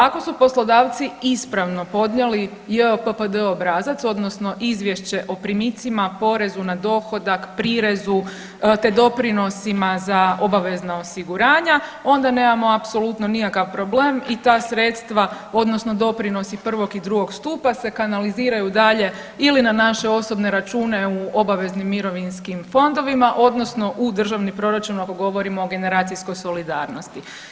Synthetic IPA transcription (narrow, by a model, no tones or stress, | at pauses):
ako̞supo̞slˠod̪aːʋt̪siispɾaʋno̞po̞d̪ɲeli | jeopəpəd̪əobɾaːzat̪so̞d̪no̞sno̞ʔizʋje̞ʃt͡ɕe̞ʔo̞pɾimit̪simapo̞ɾe̞zunad̪o̞xo̞d̪akpɾiɾezu | t̪ed̪o̞pɾino̞simazao̞baʋe̞znaosiɡuɾaːɲao̞nd̪ane̞ːmamo̞apso̞lˠut̪no̞nikakaʋpɾo̞bleːmit̪aːsɾe̞t̪st̪ʋa | o̞d̪no̞sno̞d̪o̞pɾino̞sipr̩ʋo̞ɡid̪ɾuɡo̞ɡst̪uːpase̞kanaliziːɾajud̪aʎe̞ | ilinanaʃe̞o̞so̞bne̞ɾat͡ʃuːne̞uo̞baʋe̞znimːiɾo̞ʋinskimfo̞nd̪o̞ʋimaʔo̞d̪no̞sno̞ʔud̪r̩ʒaʋnipɾo̞ɾat͡ʃunako̞ɡo̞ʋo̞ɾimoːɡe̞ne̞ɾaːt̪sisko̞jso̞lid̪aːɾno̞st̪i